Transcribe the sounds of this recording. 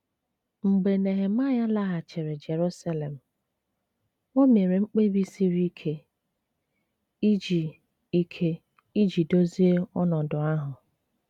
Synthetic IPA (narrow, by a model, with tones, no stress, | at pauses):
ŋ͡m̩˨ɡ͡be˨ne˨ɦe˨ma˦ja˦la˦ɦa˨t͡ʃe˨ɾe˨d͡ʒe˨ɾu˦sa˦le˨m̩˨ | o˦me˨ɾe˨ŋ͡m̩˦k͡pe˦bi˦si˦ɾi˦kʰe˦ | i˦d͡ʒi˨ | i˦kʰe˦ | i˦d͡ʒi˨do˦zi˦e˦ɔ˦nɔ˨dʊ˨a˦ɦʊ˨